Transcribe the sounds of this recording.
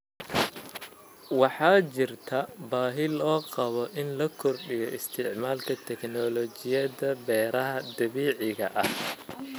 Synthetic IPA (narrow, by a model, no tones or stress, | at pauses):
wɑħɑːt͡ʃɪrt̪ʰɐbaːɦɪlɔːqɑβɔʔɪnlɐkʰɔrɗɪjɔʔɪst̪ʰɪʕmaːlkʰɐt̪ʰɛknɔlɔt͡ʃɪjɐðɐbɛːɾɐɦɐd̪ɐβiːʕɪɣɐʔɐh